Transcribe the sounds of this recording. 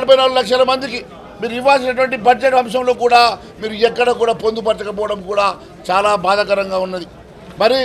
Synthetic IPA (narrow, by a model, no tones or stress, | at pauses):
ɽipɐjinaːlːulɐkʂɐlɐmɐnd̪iki | miːɾuiʋːaːls̬inɐʈ̬uʋɐɳʈibɐd͡ʒeʈɐmʂɐmlo̞ːkuːɽaː | miːɾuɛkːɐɽɐkuːɽaːpo̞nd̪upɐɾt͡ʃɐkɐp̬ɔːʋɐɽɐmkuːɽaː | t͡ʃaːlaːbaːd̪ɐkɐɾɐŋɡaːunːɐd̪i | mɐɾi